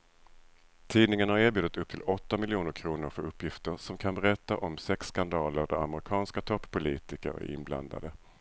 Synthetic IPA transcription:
t̪ʰiːd̪nɪŋənhaɾeːbjʉːd̪ət̪ɵp̚t̪ʰɪlɔt̪ːamɪljuːnəɾkʰɾuːnʊɾfœɾɵpːjɪft̪əɾsɔmkʰanbɛɾɛt̪ːaʔɔmsɛksːkand̪ɑːləɾd̪æɾa̰məɾɪkʰɑːnskat̪ʰɔpːpːʊliːt̪ɪkə̰ɾæ̰ɾɪ̰nbla̰nd̪a̰d̪ə

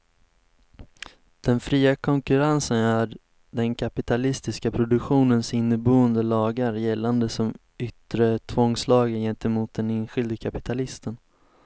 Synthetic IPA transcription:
d̪̥ɛnfɾiːakʰɔŋkɵɾansənæ | ɖɛnkʰapɪt̪ʰalɪst̪ɪskapʰɾʊd̪ɵkɧuːnənsɪnːəbuːənd̪əlɑːɡaɾjɛlːand̪əsɔm | ʏt̪ɾət̪ʰvɔŋslɑːɡənjɛnt̪əmuːt̪̚d̪ɛneːnɧɪld̪əkʰapɪ̥t̪ʰalɪst̪ən

